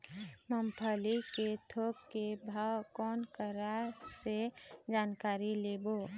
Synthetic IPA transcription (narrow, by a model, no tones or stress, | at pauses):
məmpʰəliket̪ʰok̚kebʱakɔːnkəɾased͡ʒaːnkaːɾilebo